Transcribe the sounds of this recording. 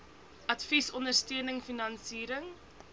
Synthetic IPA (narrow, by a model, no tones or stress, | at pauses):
ʔɐtfisɔndərstøənəŋfinɐnsiːɾəŋ